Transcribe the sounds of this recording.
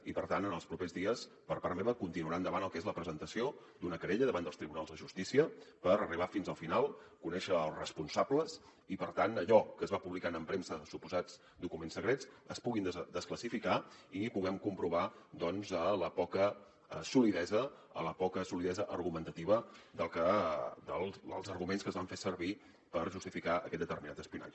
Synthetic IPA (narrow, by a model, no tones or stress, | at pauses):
ipəɾt̪anənəlˠspɾupezðiəs | pəɾpaɾmɛβəkunt̪inuəɾand̪əβanəlˠkezləpɾəzənt̪əsio | d̪unəkəɾeʎəðəβand̪əlˠst̪ɾiβunalˠzðəʒust̪isiəpəɾəriβ̞afinzəlˠfinalˠkunɛʃəːlˠzrəspunsabləs | ipəɾt̪anəʎɔkəzβapuβlikanəmpɾemsəsupuzad͡z | d̪ukumensəɣɾet͡səspuɣind̪əskləsifikaipuɣɛmkumpɾuβ̞ad̪ɔnzələpɔkə | əsuliðɛzə | ələpɔkəsuliðɛzəʔərɣumənt̪ət̪iβəd̪əlˠkəd̪əlˠə̰lˠzərɣumenskəzβaɱfesəɾβi | pəɾʒust̪ifikaəkɛt̪d̪ət̪əɾminat̪əspiuna̰d͡ʒ